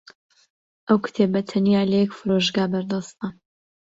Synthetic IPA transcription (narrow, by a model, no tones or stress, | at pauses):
ʔɐwkʰɨ̥t̪ʰebɐt̪ʰɐnijaːlɐjɛkfɨɾoʒɡaːbɐɾd̪ɑst̪ɐ